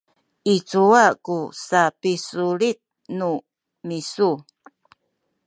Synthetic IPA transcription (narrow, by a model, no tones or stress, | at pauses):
it͡suakusapisuɾit̪̚ | nu | misu